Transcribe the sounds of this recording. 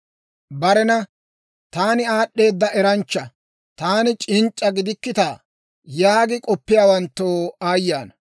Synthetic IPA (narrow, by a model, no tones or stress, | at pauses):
bɐɾɛnɐ | t̪aːnɪaːɗːe̞ːd̪ːɐʔɛɾɐnt͡ʃːɐ | t̪aːnɪt͡ʃʼɪnt͡ʃʼːɐɡɪd̪ɪkːɪt̪aː | jaːɡɪkʼɔpːɪjaːwɐnt̪ːoːaːjːaːnɐ